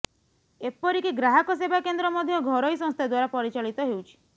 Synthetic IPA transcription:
epɔɾikiɡɾaɦɔkɔs̬ebʱakend̪ɾɔmɔd̪ʱjɔɡʱɔɾɔjsɔ̃ŋst̪ʰad̪waɾapɔɾit͡ʃaɭit̪ɔɦewt͡ʃʰi̥

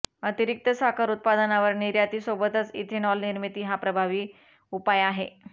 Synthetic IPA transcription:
ət̪iɾik̚t̪əsakʰaɾut̪̚pad̪ənaʋəɾniɾjat̪iːsobət̪ət͡sit̪ʰenɔlniɾmit̪iːɦapɾəbʱaʋiː | upajaɦe

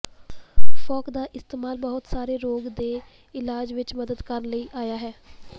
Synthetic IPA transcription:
fɔːkd̪aːʔɪst̪eːmaːlbəɦʊt̪saːɾeːɾoːɡd̪eː | ɪlaːd͡ʒʋɪt͡ʃməd̪əd̪kəɾləiːʔaːjaːɦɛː

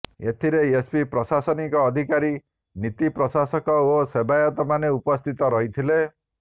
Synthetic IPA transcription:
et̪ʰiɾeespipɾɔsasɔnikɔːd̪ʱikaɾi | nit̪ipɾɔsasɔkɔosebajɔt̪ɔmaneupɔst̪ʰit̪ɔɾɔɦit̪ʰile

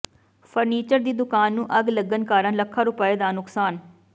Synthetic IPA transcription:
pʰəɾniːt͡ʃəɾd̪iːd̪ʊkaːnːũːʔəɡləɡənkaːɾənləkʰːaːɾʊpaːeːd̪aːnʊksaːn

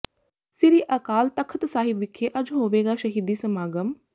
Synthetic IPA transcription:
sɪɾiːʔəkaːlt̪əkʰət̪saːɦɪʋɪkʰːeːʔɐd͡ʒɦoːʋeːɡaːʃəɦiːd̪iːsəmaːɡəm

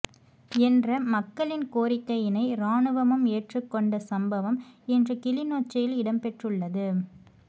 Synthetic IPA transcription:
ɛndrɐmɐkːɐɭɪnkoːɾɪkːɐjɪnɐɪɾaːɳɯʋɐmɯmeːʈrɯkːɔɳɖɐsɐmbɐʋɐmɛndrɯkɪlɪnoːt͡ʃːɐjɪlɪɽɐmpɛʈrɯɭːɐðɯ

